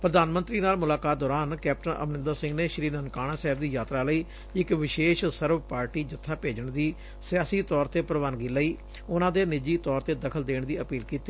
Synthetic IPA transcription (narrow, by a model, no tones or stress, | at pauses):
pɾəd̪aːnmə̃nt̪ɾiːnaːlmʊlaːkaːt̪̚d̪ɔːɾaːnkɛːp̚ʈənʔə̰mnɪ̃nd̪əɾsɪ̃ŋɡneːʃɾiːnənkaːɽ̃ãːsɛːb̚d̪iːjaːt̪ɾaːləiː | ɪkʋɪʃeːʃsəɾʋpaːɾʈiːd͡ʒɪt̪ʰːaːpeːd͡ʒəɳd̪iː | sɪjaːsiːt̪ɔːɾt̪eːpɾəʋaːnɡiːləiː | ʊnãːd̪eːnɪd͡ʒiːt̪ɔːɾt̪eːd̪əkʰəld̪eːɳd̪iːəpiːlkiːt̪iː